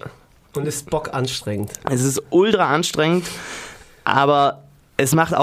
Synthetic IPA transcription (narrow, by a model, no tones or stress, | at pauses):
ʊntɪst̚b̥ɔkʔanʃtʁ̥ɛŋən̩tʔɛs̬ɪstʔʊltʁɐʔanʃtʁ̥ɛŋənt | ʔa̰ːbɐ | ʔɛsmaχta̰